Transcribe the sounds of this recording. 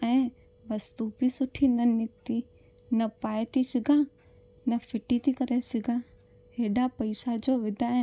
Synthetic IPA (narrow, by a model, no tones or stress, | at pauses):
ɛ̃ː | ʋɐst̪uːbisʊʈʰinɐnɪkt̪i | nɐpaːjt̪isɪɡʱãː | nɐfʰɪʈit̪ikɐɾesɪɡʱãː | ɦeːɖapɐɪsad͡ʑoːʋɪd̪ʱaɦɪ